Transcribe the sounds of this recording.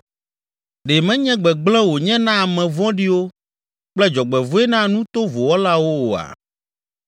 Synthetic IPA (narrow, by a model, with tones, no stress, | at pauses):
ɖe˨mɛ̃˦ɲɛ̃˦ɡ͡bɛ˨ɡ͡blɛ̃˦wo˨ɲɛ̃˦nã˦a˨mɛ̃˨vɔ̃˦ɖi˦wo˦ | k͡plɛ˦d͡ʒɔ˨ɡ͡bɛ˨vo˦ɛ˦nã˦nũ˦t̪o˦vo˨wɔ˦la˦wo˦wo˨a̰˨